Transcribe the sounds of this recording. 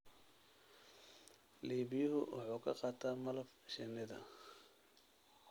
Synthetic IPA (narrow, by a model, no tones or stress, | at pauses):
liːβɪjɐɦʊwʔɑ̰ħuːkʰɐqɑːt̪ʰaːmɐlɐfʃɛnɪðɐ̰